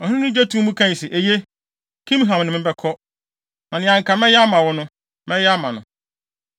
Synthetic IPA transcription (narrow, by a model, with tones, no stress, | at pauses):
ɔ˨hʊ̃˦nʊ̃˦d͡ʑa˦tʰũ˦mũ˦kʰã˦˨sɪ˨ʔe˨je˦ | kʰĩ˦m˦ɦã˨m˨nɪ̃˨mɪ̃˦bɛ˦kʰɔ˦ | nã˨nɪ̃˨ã˨ŋ˨kʰa˨mɛ̃˦jɛ˦a˦mã˨wʊ˦nʊ̃˦ | mɛ̃˦jɛ˦a˦mã˨nʊ̰̃˨